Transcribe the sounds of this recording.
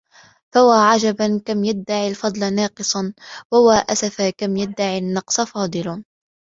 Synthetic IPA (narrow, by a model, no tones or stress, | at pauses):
fawaːʕad͡ʒabankamjad̪ːaʕilfɑd̪ˤlanɑːqɨsˤɑnwawaːʔasafakamjad̪ːaʕinːɑqsˤfɑːd̪ˤɨl